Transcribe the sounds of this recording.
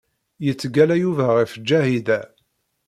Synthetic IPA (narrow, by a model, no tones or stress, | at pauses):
jət͡sːɡælæjuvæʁifd͡ʒːæhiðæ